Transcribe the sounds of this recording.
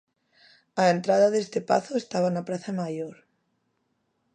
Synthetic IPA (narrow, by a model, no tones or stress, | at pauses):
aent̪ɾaðaðest̪epa̰θoest̪aβanapɾaθamajoɾ